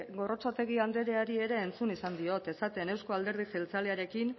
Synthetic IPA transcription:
ɡo̞ro̞t͡sat̪e̞ɣ̞iand̪e̞ɾe̞aɾie̞ɾe̞ːnt͡sunisand̪io̞t̪e̞sat̪e̞ne̞wsko̞ald̪e̞ɾð̞iselt͡sale̞aɾe̞kin

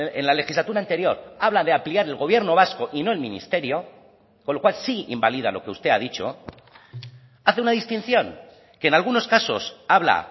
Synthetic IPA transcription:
ḛnlale̞xizlat̪uɾant̪e̞ɾjo̞ɾaβlaðe̞ampliaɾe̞lɣo̞β̞je̞ɾno̞βasko̞ʔino̞e̞lmĩnḭst̪e̞ɾjo̞ | konlo̞kwalsiḭmbaliða̰lo̞̰ke̞ust̪e̞að̞it͡ʃo̞̰ | aθeunaðist̪in̟θjo̞ŋ | ke̞ːnalɣ̞uno̞skaso̞̰saβla̰

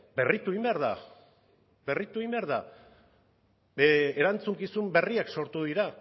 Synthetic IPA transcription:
be̞rit̪uimbe̞aɾða̰ | be̞rit̪uimbe̞aɾða | eeɾant͡suŋkisumbe̞riakso̞ɾt̪uðiɾa

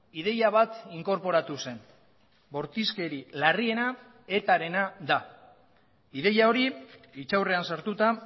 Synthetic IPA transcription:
ið̞e̞jaβ̞at̪iŋko̞ɾpo̞ɾat̪use̞n | bo̞ɾt̪iske̞ɾilarie̞na | e̞t̪aɾe̞naða | iðe̞jao̞ɾiit͡ʃawre̞ansaɾt̪ut̪a

